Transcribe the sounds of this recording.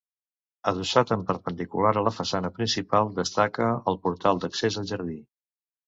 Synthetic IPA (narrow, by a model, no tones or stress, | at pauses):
əð̞usat̪əmpəɾpənd̪ikulaɾələfəsanəpɾinsipalˠd̪əst̪akəəlˠpuɾt̪alˠd̪əksezəlˠʒəɾði